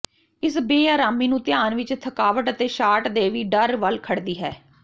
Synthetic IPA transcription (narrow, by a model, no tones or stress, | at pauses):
ɪsbeːaːɾaːmiːnũːt̪ɪjaːnʋɪt͡ʃt̪ʰəkaːʋəʈət̪eːʃaːʈd̪eːʋiːɖəɾʋəlkʰəɽd̪iːɦɛ̰ː